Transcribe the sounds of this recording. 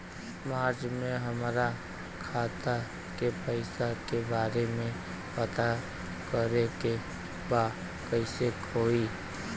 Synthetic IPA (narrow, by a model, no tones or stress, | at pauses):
maːɾd͡ʒmẽɦəmɾa | kʰaːt̪a | kepəɪsakebaːɾemẽ | pət̪a | kəɾeke | baː | kəɪsekʰoːi